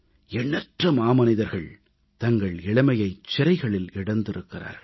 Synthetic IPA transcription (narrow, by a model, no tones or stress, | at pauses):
ɛɳːɐʈrɯmaːmɐnɪðɐɾɣɐɭ | t̪ɐŋɡɐɭɛɭɐmɐjɐɪt͡ʃːɪɾɐɪɣɐɭɪlɪɽɐnd̪ɪɾɯkːɪra̰ːɾ